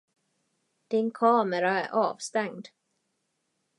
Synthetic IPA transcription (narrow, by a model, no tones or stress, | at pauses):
d̪̥ɪnkʰɑːməɾaæɾʔɑːvst̪ɛŋd̪